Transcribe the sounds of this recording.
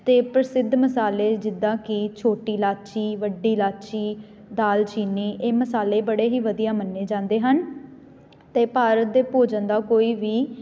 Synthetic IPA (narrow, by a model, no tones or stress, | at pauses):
t̪eːpɾəsɪd̪məsaːleːd͡ʒɪd̪ːãːkɪt͡ʃʰoːʈiːlaːt͡ʃiːʋəɖiːlaːt͡ʃiː | d̪aːlt͡ʃiːniːʔeːməsaːleːbəɽeːɦiːʋəd̪ijaːmənːeːd͡ʒãːnd̪eːɦən | t̪eːpaːɾət̪̚d̪eːpoːd͡ʒənd̪aːkoːiːʋiː